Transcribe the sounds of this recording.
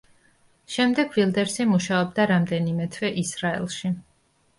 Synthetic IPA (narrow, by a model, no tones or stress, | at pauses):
ʃɛmd̪ɛɡvilˠd̪ɛɾsimuʃaɔb̚d̪aɾamd̪ɛnimɛt̪ʰwɛʔisɾaɛ̰lˠʃi